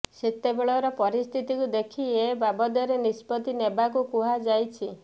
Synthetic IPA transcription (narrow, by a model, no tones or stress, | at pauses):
set̪ebeɭɔɾɔpɔɾist̪ʰit̪ikud̪ekʰiebabɔd̪ɔɾenispɔt̪inebakukuɦad͡ʒajt͡ʃʰi